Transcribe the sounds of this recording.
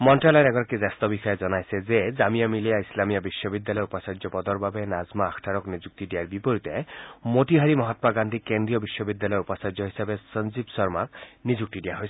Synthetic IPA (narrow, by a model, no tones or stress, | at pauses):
mɔnʈalɔɾɛɡɔɾakizast̪ɔbixɔjezɔnajsezezamijamilijaislamijabiʃːɔbid̪ːalɔjupɔsaɾd͡ʒɔpɔd̪ɔɹbabenazmaːkʰʈʰaɾɔknizuk̚t̪idijaɹbipoɾit̪ɛmoʈiɦaɹimɔɦɔt̪maɡand̪ʱikend̪ɹijɔbiʃːɔbid̪ːalɔjupɔsaɾd͡ʒɔɦisabesənzibsɔɹmaknizuk̚t̪idijaɦojs